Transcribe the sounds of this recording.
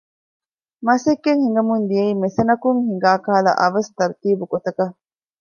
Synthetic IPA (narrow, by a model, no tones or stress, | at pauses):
mɐsekːeŋhiŋɡɐmund̪ijɐimesɐnɐkuŋhiŋɡaːkaːlɐ̰ʔɐʋɐst̪ɐɾt̪iːbuɡot̪ɐkɐ